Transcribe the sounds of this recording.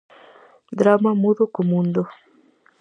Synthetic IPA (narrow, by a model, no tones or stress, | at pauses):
d̪ɾamamuðokomũnd̪o